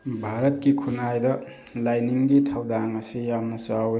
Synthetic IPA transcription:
bʱaɾɐt̚kikʰunajdɐ | lajniŋɡitʰawdaŋɐsijamnɐt͡ʃaw

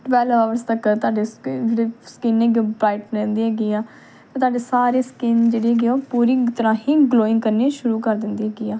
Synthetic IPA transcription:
ʈəʋɛːlʋaːʋəɾst̪əkt̪ʊaːɖeːd͡ʒeːɽeːskɪnɛːɡiobɾaːɪʈnẽːnd̪iːɦɛːɡiːaː | t̪ẽːt̪ʊaːɖeːsaːɾeːskɪnd͡ʒeːɽiːɦɛːɡeːoːpuːɾiːt̪əɾãːɦiːɡloːɪ̃ŋɡkəɾneːʃʊɾuːkəɾd̪ɪnd̪iːɦɛːɡiːaː

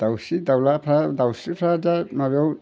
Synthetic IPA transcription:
d̪̥awsid̪awlapʰɾad̪awsipʰɾadamaβaw

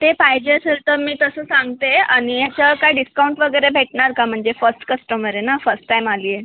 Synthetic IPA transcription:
t̪epaɦjd͡ʑesʰəlt̪əɾmiːt̪əsəːsãŋɡt̪eaɽ̃ijat͡ɕakajɖiskauɳʈʋəɡəjɾebʱeʈɳaɾkam̤əɳd͡zefəɾsʈkəsʈəmʋəɾenafəsʈːajmaliːje

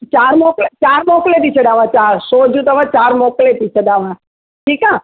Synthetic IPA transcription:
t͡ʃaɾmɔklet͡ʃaɾmɔklet̪it͡ʃʰed̪aʋãt͡ʃaɾsɔd͡ʒũt̪əʋãt͡ʃaɾmɔklet̪it͡ʃʰed̪aʋã | ʈʰikã

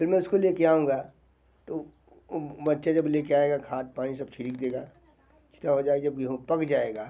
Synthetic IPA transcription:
pʰɪɾmɛ̃ʊskoleːkeaːɦũːŋ̆ɡaː | t̪o | bɐtːʃad͡ʒɐbleːkeaːeɡakʰaːt̪̚paːñis̬ɐb̚t͡ʃʰɪɽiːk̚d̪eːɡaː | t͡ʃʰɪ̥t̪aɦod͡ʒaːeɡd͡ʒɐb̚kɦpɐkd͡ʒaːeːɡaː

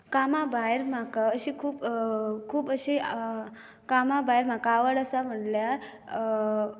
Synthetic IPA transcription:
kamabajɾm̤akaəɕikʰuːpkʰuːpəɕi | kamabajɾm̤akaːʋəɽəsam̤əʈljaɾ

